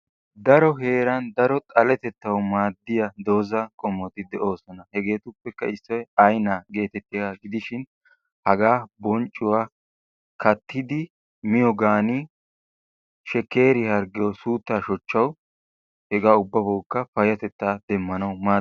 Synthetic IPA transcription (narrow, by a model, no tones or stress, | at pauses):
d̪ɐɾɔɦe̞ːɾɐnd̪ɐɾɔt̪ʼɐlɛt̪ɛt̪ːɐwmaːd̪ːɪjɐd̪o̞ːzɐkʼɔmːɔt̪ɪd̪ɛʔo̞ːsɔnɐhɛɡe̞ːt̪ʊpːɛkːɐɪsːɔjɐjnaɡe̞ːt̪ɛt̪ːɪaɡɪd̪ɪʃɪn | hɐɡaːbɔnt͡ʃʼːʊwaː | kʰɐt̪ʰːɪd̪ɪ | mɪjɔɡaːni | ʃɛke̞ːɾɪhɐɾɡɪjɔsuːt̪ːaːʃɔt͡ʃːɐw | hɛɡaːʊbːɐbɐwkːɐfɐjɐt̪ɛt̪ːaːd̪ɛmːɐnɐwmaː